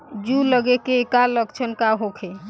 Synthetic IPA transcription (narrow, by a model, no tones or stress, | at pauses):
d͡ʒuləɡekeːkaləkt͡ʃʰənkaɦokʰe